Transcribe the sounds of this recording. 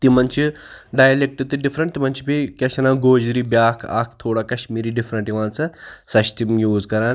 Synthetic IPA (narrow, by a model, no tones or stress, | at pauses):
t̪imɐnt͡ɕiɖaːjlek̚ʈit̪iɖifɾɐɳʈ̚t̪im̤ɐnt͡ʃipikʲɐɕɐnaːɡoːd͡ʑɾibjaːkʰa̰ːkʰt̪ʰoːɽakɐɕmiːɾiːɖifɾɐɳʈiʋãːnt͡sɐsɐɕt̪imjuːzkɐɾaɾ